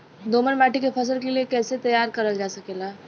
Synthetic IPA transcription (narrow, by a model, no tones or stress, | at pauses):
d̪oːmənbaːʈikepʰɐs̬əlkeliekɛːset̪ɐjaːɾkɐɾəld͡ʒaːsɐkeːlaː